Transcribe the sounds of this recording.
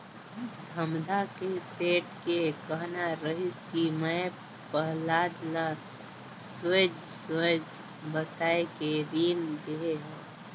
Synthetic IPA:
d̪ʱəmd̪ʱakeseːʈkekəɦnaɾəɦɪskimə̃ | pəɦlaːd̪la | swed͡ʒ | sed͡ʒ | bət̪aːekeɾiːmd̪eeɦɛ̃ː

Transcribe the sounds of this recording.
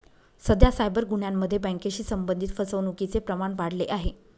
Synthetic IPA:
səd̪ʱjasajbəɾɡuɳjamːəd̪ʱːjebə̃ŋkeɕiːsəmbənd̪ʱit̪fəsəʋnukit͡sepɾəmaɳʋaɽ̤leʔaɦe

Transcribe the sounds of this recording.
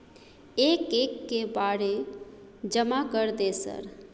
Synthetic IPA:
eːkekːebaɽe | d͡ʒəmakəɾd̪esə̰ɾ

